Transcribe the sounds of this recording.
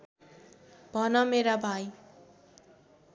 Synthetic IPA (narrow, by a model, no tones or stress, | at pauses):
b̥ʱʌnʌmeɾabʱaj